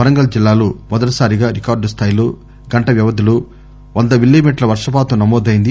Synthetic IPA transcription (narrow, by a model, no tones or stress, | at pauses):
ɐɾɐŋɡɐld͡ʒilːaːlomɔd̪ɐʈɐsaːɾiɡaːɾikaːɾɖst̪ʰaːjloː | ɡɐɳʈɐʋjɐʋɐd̪ɐlu | ʋɐnd̪ɐʋilːimiːʈlɐʋɐɾʂɐpaːt̪unɐmɔːd̪ɐjind̪i